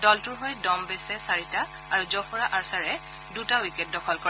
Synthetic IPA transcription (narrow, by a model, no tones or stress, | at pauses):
dɔltʊɹɦɔjdɔmbɛsɛsaɹita | aɹuzɔpʰɔɹaʔaɹsaɹɛ | dutawikɛt̚dɔkʰɔlkɔɹ